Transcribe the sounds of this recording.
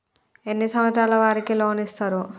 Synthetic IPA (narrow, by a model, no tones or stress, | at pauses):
enːisɐmɐʈ̪ɾaːlɐʋaːɾikiloːnist̪aːɾu